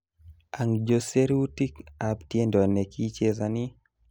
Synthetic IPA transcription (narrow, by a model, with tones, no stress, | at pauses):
a˨ŋd͡ʒo˨se˦ɾu˦ti˦ka˨ptje˦ndɔ˨ne˨ki˦t͡ʃe˦zani˦